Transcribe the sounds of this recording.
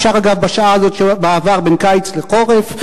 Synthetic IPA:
ʃaʁaɡavbaʃaaazo̞t̪ʃebaːvaʁbenkajt͡sleqo̞ʁef

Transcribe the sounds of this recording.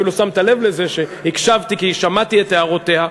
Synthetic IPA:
ilusamt̪ale̞vle̞ze̞ʃe̞hikʃavt̪ikiʃamat̪iet̪eaʁot̪e̞ha

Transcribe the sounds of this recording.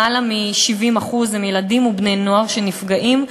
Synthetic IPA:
alamiʃivimaχuzimjeladimubne̞jno̞aʁʃenifɡaʔim

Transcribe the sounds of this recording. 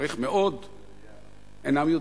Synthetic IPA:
ʁiχmeʔod̪ | enamjod̪

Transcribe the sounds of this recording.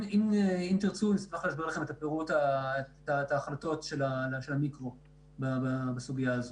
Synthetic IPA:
imimt̪iʁt͡sumismaχlaʃboʁlaχe̞metapeʁutatataːχlato̞tʃe̞laaʃe̞lamikʁo̞ | bababasuɡijaazo

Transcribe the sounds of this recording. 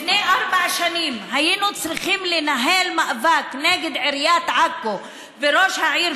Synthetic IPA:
neʔaɾbaʕʃanimhajinut͡sɾiχimlenaɦelmaʔvakneɡed̪ʕiɾjat̪ʕakːo | veɾoʃhaʕiɾ

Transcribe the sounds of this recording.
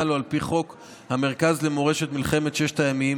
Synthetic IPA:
aloalpiχo̞k | hame̞ʁ̞kazle̞mo̞ʁe̞ʃe̞t̪milχe̞me̞t̪ʃeʃt̪ajamii

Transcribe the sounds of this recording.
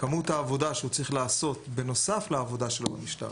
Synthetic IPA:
kamuthaːvo̞daʃeut͡sʁiχlaːso̞t̪be̞no̞safleavo̞daʃe̞lobamiʃta̰ʁ

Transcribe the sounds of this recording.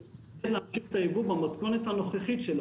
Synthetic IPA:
ed̪leamʃiχet̪ajevubamat̪konet̪hano̞χeχitʃel

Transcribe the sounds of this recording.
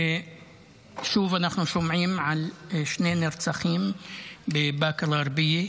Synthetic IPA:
ʃuːfʔanaħnuʃʊmʕiːmʕalʃneːnɪɾt͡saxiːmbɪbaːkɪlɣɑɾˤbɪjːi

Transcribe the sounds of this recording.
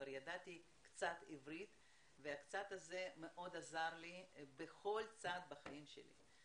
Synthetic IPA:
aɾjad̪at̪ʲi | kt̪t͡sat̪ivɾit̪ | veakt̪t͡sat̪ɐzemeʔo̞d̪azaɾlibeχo̞lt͡sat̪̚bɐχaimʃḛlḭ

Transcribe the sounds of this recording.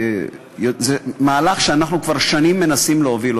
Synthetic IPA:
jozemaːlaχʃeanaχnukvaʁʃanimːe̞nasimleovilo

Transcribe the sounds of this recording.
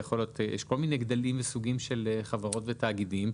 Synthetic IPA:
aχo̞ljot̪jḛʃko̞lmineɡd̪alimvesuɡimʃeleχavaʁo̞tvetaːɡidim

